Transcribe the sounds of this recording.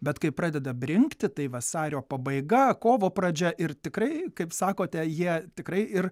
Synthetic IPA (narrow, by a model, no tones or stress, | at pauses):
bʲɛt̪kɐɪpɾɑːd̪ʲɛd̪ɐbʲrʲɪŋkt̪ʲɪt̪ɐɪʋɐsɑːɾʲoːpɐbɐɪɡɐkoːʋoːprɐd͡ʒʲɛʔɪrt̪ʲɪkɾɐɪkɐɪpsɑːkoːt̪ʲɛjiɛt̪ʲɪkɾɐɪɪr